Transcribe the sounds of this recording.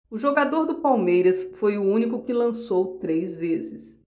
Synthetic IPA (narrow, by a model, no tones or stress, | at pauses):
ʊʒoɡad̪oɾd̪ʊpawmejɾɐsfojʊũnikʊkɪlɐ̃sowt̪ɾejzvezɪs